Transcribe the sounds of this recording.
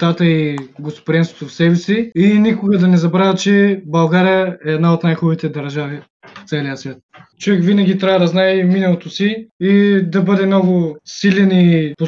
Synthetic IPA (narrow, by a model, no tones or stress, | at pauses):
t̪at̪əiɡost̪pod̪ʲɛnso̥t̪ofsɛvɛsiinikʊɡɐd̪ɐnɛzɐbɾavʲət͡ʃɛbɐlˠɡaɾijəɛːd̪naot̪najxubit̪ɛd̪ɐɾʒavi | ft̪sɛlʲijəsvʲjat̪̚t͡ʃovɛkvinɐɡʲit̪ɾʲavɐd̪ɐznaɛminɐlˠot̪osiid̪ɐbɤd̪ɛmnɔɡʊsilʲɛnipo